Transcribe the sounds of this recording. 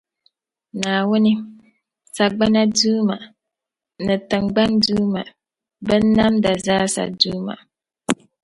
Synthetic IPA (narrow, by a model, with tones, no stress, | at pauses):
naː˨wʊ˦nɪ˦ | sa˨ɡ͡ba˦na˦duː˦ma˨ | nɨ˨tɨ˨ŋɡ͡ba˦nduː˦ma̰˨ | bɨ˦n˦na˦mda˨zaː˦sa̰˨duː˦ma̰˨